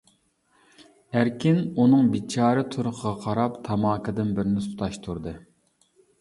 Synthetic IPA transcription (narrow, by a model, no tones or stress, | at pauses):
æɾkʲɪnunɨŋbit͡ʃʰɑːɾɨt̪ʰuɾʊqʰəʁɑqʰɑɾɑpt̪ʰɑmɑːkʰɨd̪ɨnbɪɾɪnɪsu̥t̪ʰɑʃt̪ʰuɾd̪ɨ